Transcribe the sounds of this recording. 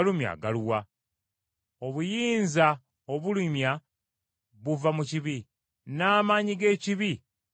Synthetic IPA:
lumja̰ːɡaluwa | o̞βujiːnza | oβulimja | βuvamuciβi | naːmaɲiɡe̞ːciβi

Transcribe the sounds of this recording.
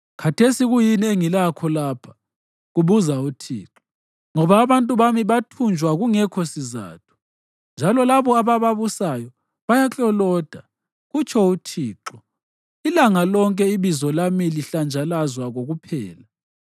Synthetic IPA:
kʰatʰesiɣujinieŋilakʰɔlaːpʰḁ | ɣuβuzautʰḭːǁɔ̥ | ŋɔβaːβantʼuβamiβatʰund͡ʒʱwaɣuŋɛkʰɔsiza̰ːtʰu̥ | nd͡ʒʱalɔlaβɔaβaβaβusajɔ | βajat͡ɬʼɔlɔːd̥ʱa | ɣut͡ʃʰɔutʰiːǁɔ | ilaŋalɔŋkʼɛiβizɔlamiliɬand͡ʒʱalazwaɣoɣupʰɛːla

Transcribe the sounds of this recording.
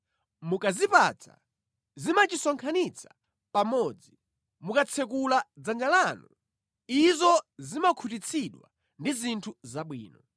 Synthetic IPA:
mukazipat͡sʰa̰ | zimat͡ʃisɔŋkʰanit͡sʰḁ | pamɔd͡zi | mukat͡sʰɛk̬ulad͡zand͡ʒalanu | izɔzimakʰut̬it͡sʰiɗwa̰ | ndizintʰuzaɓwiːnɔ

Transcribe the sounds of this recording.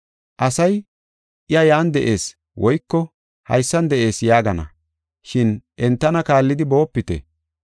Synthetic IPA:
ʔɐsɐj | ʔɪjɐjaːnd̪ɛʔe̞ːs | wɔjkːɔ | hɐ̰jsːɐnd̪ɛʔe̞ːsjaːɡɐnɐ̰ | ʃɪnʔɛnt̪ːɐnɐkaːlːɪd̪ɪbo̞ːpːɪt̪ɛ̰

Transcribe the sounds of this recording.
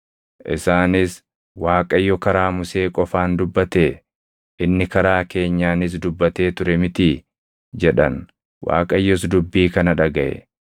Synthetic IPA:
ʔɪsaːnɪs | waːkʼɐjːɔkɐɾaːmʊse̞ːkʼɔfaːnd̪ʊbːɐt̪eː | ʔɪnːɪkɐɾaːke̞ːɲːaːnɪs̬d̪ʊbːɐt̪eːt̪ʊɾɛmɪt̪i | d͡ʒɛᶑɐ̰n | wa̰ːkʼɐjːɔsd̪ʊbːiːkɐnɐᶑɐɡɐʔɛ̰

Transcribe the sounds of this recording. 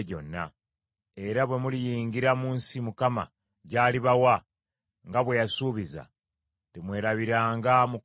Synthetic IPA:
ɟo̞̰nːa̰ | e̞ɾaβwe̞mulijiːŋɡiɾamuːnsimukama̰ | ɟaːliβawa | ŋɡaβwe̞jasuːβiza̰ | temwe̞ːɾaβiɾaːŋɡamuk

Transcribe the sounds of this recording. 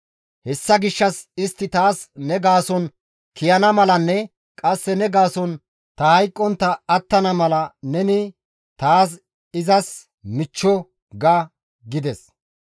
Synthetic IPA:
hɛsːɐɡɪʃːɐsɪst̪ːɪt̪aːsnɛɡaːsɔn | kɪjɐnɐmɐlɐnːɛ | kʼɐsːɛnɛɡaːsɔn | t̪ɐhɐjkʼːɔnt̪ːɐːt̪ːɐnɐmɐlɐnɛnɪ | t̪aːs̬ | ɪzɐs | mɪt͡ʃːɔ | ɡɐ | ɡɪd̪ɛs

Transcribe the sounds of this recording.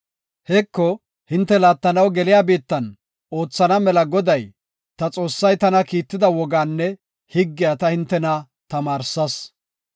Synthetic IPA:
hɛkːɔ | hɪnt̪ːɛlaːt̪ːɐnɐwɡɛlɪjaːbiːt̪ːɐn | o̞ːt͡sːɐnɐmɛlɐɡɔd̪ɐj | t̪ɐt͡sʼo̞ːsːɐjt̪ɐnɐkiːt̪ːɪd̪ɐwɔɡaːnːɛ | hɪɡːɪjaːt̪ɐhɪnt̪ːɛnɐ | t̪ɐmaːɾsɐs

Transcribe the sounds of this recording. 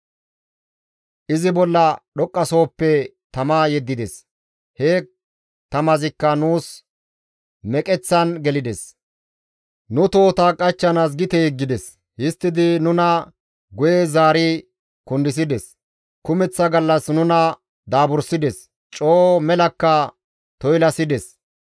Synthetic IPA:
ʔɪzɪbɔlːɐɗɔkʼːɐso̞ːpːɛ | t̪ɐmaːjɛd̪ːɪd̪ɛs | heː | t̪ɐmɐzɪkːɐnuːs | mɛkʼɛt͡sːɐnɡɛlɪd̪ɛs | nʊt̪o̞ːt̪akʼɐt͡ʃːɐnaːs̬ɡɪt̪ɛɡːɪd̪ɛs | hɪst̪ːɪd̪ɪnʊnɐ | ɡʊjezaːɾɪ | kʊnd̪ɪs̬ɪd̪ɛs | kʊmɛt͡sːɐɡɐlːɐsnʊnɐ | d̪aːbʊɾsɪd̪ɛs | t͡ʃʼoːmɛlɐkːɐ | t̪ɔjlɐsɪd̪ɛs

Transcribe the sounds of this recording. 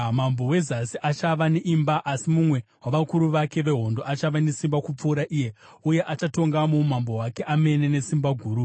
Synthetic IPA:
mambo̞we̞zasiʔat͡ʃaʋaneʔimbaʔasimumwe̞waʋakuɾuʋake̞ʋe̞ɦo̞ndoat͡ʃaʋane̞simbakup͡fuːɾaʔije̞ | uje̞ʔat͡ʃato̞ŋɡamumambowake̞ʔame̞ne̞ne̞simbaɡʱuːɾu

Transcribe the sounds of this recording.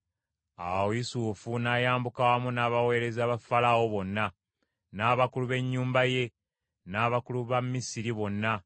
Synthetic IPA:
a̰wojisuːfunajaːmbukawamunaːβawe̞ːɾe̞zaːβafalawo̞βo̞nːa | naːβakuluβe̞ɲːuːmbaje̞ | naːβakuluβamːisiɾiβo̞nːa

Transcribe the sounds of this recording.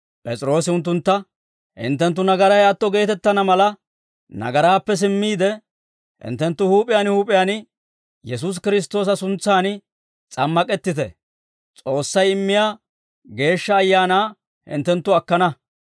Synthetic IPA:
pʼɛt͡sʼɪɾo̞ːsɪʊnt̪̬ːʊnt̪ːɐ | hɪ̰nt̪ːɛnt̪̬ːʊnɐɡɐɾɐjaːt̪ːɔɡe̞ːt̪ɛt̪ːɐnɐmɐlɐ | nɐ̰ɡɐɾaːpːɛs̬ɪmːiːd̪ɛ | hɪ̰nt̪ːɛnt̪ːʊhuːpʼɪjaːnhuːpʼɪjaːnɪ | jɛs̬us̬kɪɾɪs̬t̪o̞ːs̬ɐsʊnt͡sːaːn | t͡sʼɐmːɐkʼɛt̪ːɪt̪ɛ̰ | t͡sʼo̞ːsːɐjɪmːɪjaː | ɡe̞ːʃːɐːjːaːnaː | hɪ̰nt̪ːɛnt̪ːʊɐkːɐnɐ

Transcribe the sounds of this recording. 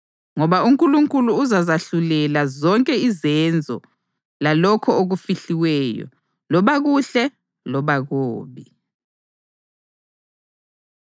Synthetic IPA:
ŋɔβauŋkʼuluŋkʼuluːzazaɬulɛlazɔŋkʼɛizɛnd͡zʱɔ̰ | lalɔkʰɔoɣufiɬiwɛjɔ̰ | lɔβaɣuɬɛ | lɔβaɣoːβi

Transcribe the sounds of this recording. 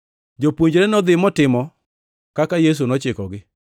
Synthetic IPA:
d͡ʒopwoɲd͡ʒɾɛnɔd̪ɪmɔtɪmɔ | kakajes̬unɔt͡ʃɪkɔɡɪ

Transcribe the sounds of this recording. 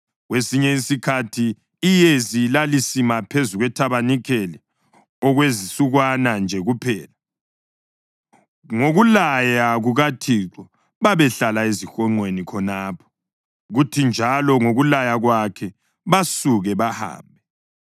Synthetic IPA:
ɣwesiɲɛisikʰatʰiː | jezilalisimapʰezuɣwɛtʰaβanikʰɛlɛ | ɔɣwezisuɣwanand͡ʒʱɛɣupʰɛːla | ŋoɣulajaɣuɣatʰiːǁɔ | βaβɛɬalaezixɔŋ͡ǀʱwenikʰɔnaːpʰɔ̥ | ɣutʰind͡ʒʱalɔŋoɣulajaɣwakʰɛ | βasuɣɛβaha̰ːmbʱɛ

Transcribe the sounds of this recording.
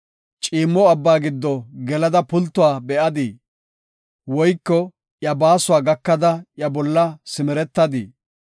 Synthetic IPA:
t͡ʃʼiːmːɔɐbːaːɡɪd̪ːɔɡɛlɐd̪ɐpʊlt̪ːʊwaːbɛʔɐd̪i | wɔjkːɔ | jɐbaːsʊwaːɡɐkːɐd̪ɐjɐbɔlːɐsɪmɛɾɛt̪ːɐd̪ḭ

